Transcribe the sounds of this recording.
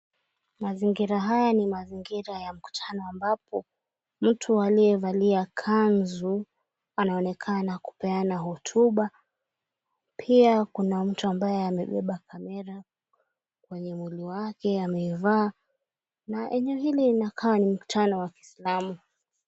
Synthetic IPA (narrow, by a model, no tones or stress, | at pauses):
maziŋɡiɾaɦajanimaziŋɡiɾajam̩ku̥tʰanɔambapʰɔ | m̩tʰualiɛvaliakʰanzu | anaɔnɛkʰanaku̥pɛanaɦɔtʰuɓa | pʰiakunam̩tuambajɛamɛɓɛɓakʰamɛɾa | kwɛɲɛmwiliwakɛamɛivaː | naʔɛɲɛɔɦiliinakʰawanim̩ku̥tʰanɔwaki̥slamu